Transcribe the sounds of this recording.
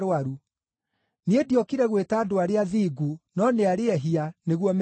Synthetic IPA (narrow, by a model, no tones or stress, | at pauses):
ɾwaɾu | niediɔkiɾɛɣwetaːdoaɾeaðiːɡunɔneaɾeɛɦianeɣwɔm